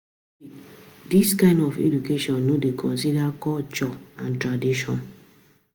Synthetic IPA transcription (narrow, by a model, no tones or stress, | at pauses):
diskãɪ̃ndɔfḛdukeʃɔ̃nːodekʰɔ̃nsidakɔt͡ʃɔãntɾadiʃɔ̃n